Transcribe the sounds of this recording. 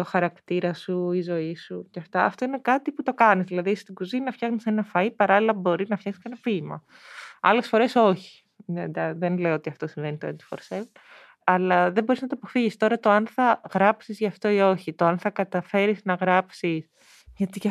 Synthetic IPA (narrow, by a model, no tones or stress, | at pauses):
oxɐɾɐkt̪iɾɐsuizo̞isuceɐft̪ɐɐft̪o̞ine̞kɐt̪iput̪o̞kɐnizðilɐðist̪iɡuzinɐfçɐxnisenɐfɐipɐɾɐlilɐbo̞ɾiznɐfçɐxsi̥skɐenɐpimɐ̰ | ɐ̰le̞sfo̞ɾe̞so̞çi̥ | ðed̪ɐðenle̞oot̪iɐft̪o̞siɱve̞nit̪oend̪i̥fo̰ɾsev | ɐlɐðebo̞ɾiznɐt̪oɐpo̞fiʝist̪o̞ɾɐt̪o̞ɐnθɐɣɾɐpsizʝɐft̪o̞io̞çit̪oɐnθɐkɐt̪ɐfe̞ɾiznɐɣɾɐpsis | ʝɐt̪i